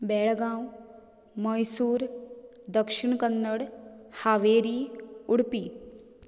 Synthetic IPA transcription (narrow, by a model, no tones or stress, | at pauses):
bɛːɽɡãːu | məjsuːɾ | d̪əkʃɪɳkənːəɽhaːʋeːɾiːʊɽpiː